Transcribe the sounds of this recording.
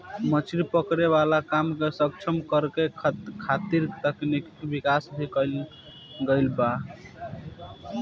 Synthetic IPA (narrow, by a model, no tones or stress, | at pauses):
mət͡ʃʰiɾipəkɾeβalakamkesək̚t͡ʃʰəmkəɾkekʰat̪iɾt̪əknikbikasbʱikəl | ɡəɪlba